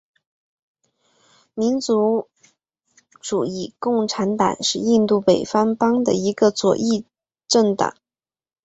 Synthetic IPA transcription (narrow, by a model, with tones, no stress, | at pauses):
mi˧˥nt͡su˧˥ | ʈ͡ʂu˨˩i˥˩kʊ˥˩ŋʈ͡ʂʰa˧˥nt̪ɑ̰˨˩ŋʂɻ̩˥˧i˥˧nt̪u˥˩pe˨˩ɪfɑ˥ŋpɑ˥ŋd̪ə̰˨i˧˥ɡə˧t͡swɔ̰˨˩ʔi˥˧ | ʈ͡ʂə˥˩ŋt̪ɑ̰˨˩˦